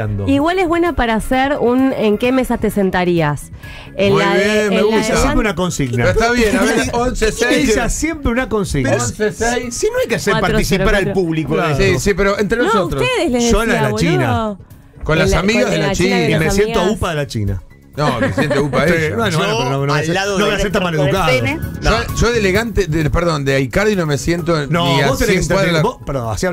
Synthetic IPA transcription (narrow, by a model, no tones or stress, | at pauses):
a̰nd̪oiɣwaleɦβwenapaɾaseɾuneŋkemesat̪esent̪aɾias | enβjenmeɣut̪aasjempɾeunako̞nsiɣnaet̪aβjenaeonseseeisasjempɾeunako̞nsiɣnasesejsinoajkeaseɾpaɾt̪isipaɾalpuβlikoeisipeɾoent̪ɾennosout̪ɾot̪eðeslesolalat͡ʃina̰ | konlasamiɣazðelat͡ʃinaimesjent̪oaupaðelat͡ʃḭna̰ | nomesjent̪aupaeenonopeɾononoaseːaðonoajaseɾt̪amaleðukaðoʒoʒoðeleɣant̪edepeɾðo̞nd̪eajkaɾðinomesjent̪ononiabot̪ewaðɾebopeɾðo̰a̰sia